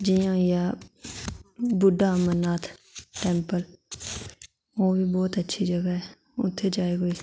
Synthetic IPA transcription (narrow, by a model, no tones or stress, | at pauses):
d͡ʒiːjãːjaː | bʊɖːaːmənːaːt̪ʰʈɛ̃ːmpəl | oːbʱiːbɔːt̪ətːʃʰid͡ʒəɡaɦɛ | ʊ̰t̪ʰːed͡ʒaːiːɡoiː